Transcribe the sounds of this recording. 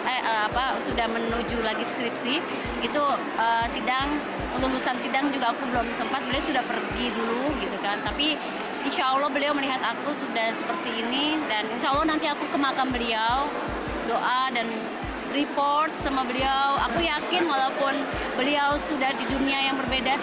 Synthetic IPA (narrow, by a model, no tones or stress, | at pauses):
aʔəapasudahmənud͡ʒulaɡiskɾɪp̚sɪh | ɡit̪u | əːsidaŋ | pəlulusansidaŋd͡ʒuɡaːkubəlʊmsəmpat̪̚bəliawsudahpərɡiduluɡit̪ukant̪api | inʃaəlːɔhbəliawməliɦat̪akusudahsəpərt̪iːnidaninʃaalːɔhnant̪iakukəmakanbəliaw | doʔadan | ripɔrt̪̚samabəliawa̰kujakɪnwalawpʊn | bəliawsudahdiduniajaŋbərbeda